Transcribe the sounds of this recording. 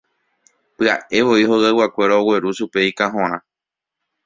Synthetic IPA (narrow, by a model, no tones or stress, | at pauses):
pɨaʔe̞ʋo̞iɦoɣawakʷe̞ɾaowe̞ɾuʃupe̞ikaɦõɾ̃ã